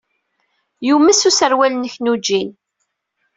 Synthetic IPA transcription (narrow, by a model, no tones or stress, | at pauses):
jumæsusəɾwælənəçnud͡ʒːin